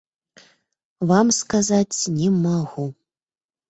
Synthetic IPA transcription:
vamskazat͡sʲnʲimaɣu

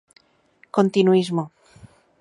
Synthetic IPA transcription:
kont̪inuizmo

